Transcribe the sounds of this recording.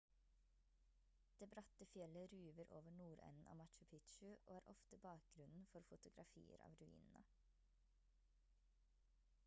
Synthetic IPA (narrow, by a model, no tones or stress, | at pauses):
d̪̥eːbɾɑt̪əfjɛləɾʉːʋəɾʔoːʋəɳuːɾɛ̰nn̩ʔɑ̰ːmɑt̪t͡ʃʉpʰɪt̪ʃʉʔoːæːɾʔɔft̪əbɑːk̚ɡ̥ɾʉnn̩fɔɾfʊt̪ʊɡɾɑfḭːə̰ɾɑ̰ːʋɾʉḭːnn̩ə